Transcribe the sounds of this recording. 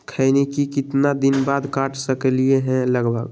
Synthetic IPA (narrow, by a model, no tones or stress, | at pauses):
kʰəɪnikikɪt̪nad̪inbad̪kaʈʰsəkelieɦɛ̃ləɡbʱə̰ɡ